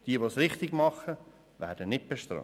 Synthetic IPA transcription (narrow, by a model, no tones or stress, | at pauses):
d̥iəʋosɾɪχt̪ɪɡmɑχə | ʋæ̰ːɾd̥ənɪt̚b̥eʃtɾɑ̰